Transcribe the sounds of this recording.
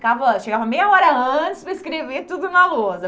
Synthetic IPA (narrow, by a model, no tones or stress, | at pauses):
kavɐʃeɡavɐmejɐɔɾɐɐ̃t͡ʃɪspɾɐiskɾevet̪ud̪ʊnɐlozɐ